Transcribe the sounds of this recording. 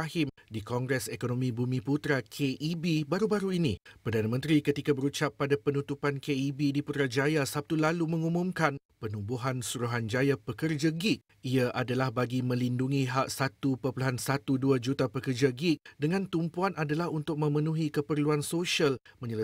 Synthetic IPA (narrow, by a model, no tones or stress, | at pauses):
ahɪmdikɔŋɡɾɛsekonõmĩbumĩput̪ɾakʰeʔibibaɾubaɾuinĩpərdanamə̃nt̪ɾikət̪ikabəɾut͡ʃapːadapənut̪upankeibidiput̪ɾad͡ʒajasap̚t̪ulalumə̃ŋumũmkan | pənubuɦansuɾuɦand͡ʒajapəkərd͡ʒaɡik̚ | iaʔadalahbaɡimə̃linduŋĩɦaʔ̚sat̪upəpuluɦansat̪uduad͡ʒut̪apəkərd͡ʒaɡɪk̚dəŋãnt̪umpuanadalahunt̪ʊk̚mə̃mənũɦikəpərluansoʃialmə̃ɲələ